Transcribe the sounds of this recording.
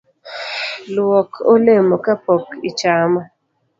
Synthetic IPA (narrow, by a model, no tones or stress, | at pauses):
lwɔkʰolemɔkapɔkit͡ʃama